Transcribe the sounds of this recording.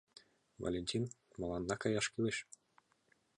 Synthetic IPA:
vo̰lʲenʲtʲin | mɤ̆lˠɑnːɑkɑjɑʃkilʲɘɕ

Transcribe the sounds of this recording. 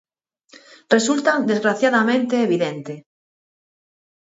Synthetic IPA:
result̪ad̪e̞zɣɾaθjaðamẽnt̪eːβiðẽnt̪e

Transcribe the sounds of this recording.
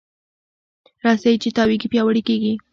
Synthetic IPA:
ɾɑsajt͡ʃɪt̪ɑwikɪpjɑwəɽɪkeɡi

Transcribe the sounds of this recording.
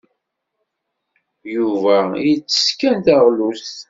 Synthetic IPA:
juvæjt͡sːə̥skænθəʁlus

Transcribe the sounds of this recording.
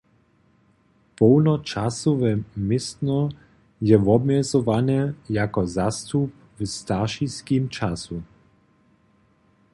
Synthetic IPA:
pɔwnɔt͡ʃasɔvɛmɪst̪nɔ | jɛʋɔbmɛzɔʋanɛjakɔzast̪up̚ | vst̪aʃiskiːmt͡ʃasu

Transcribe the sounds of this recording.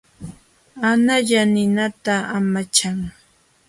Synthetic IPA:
anaʎanɪnat̪aamat͡ʃaŋ

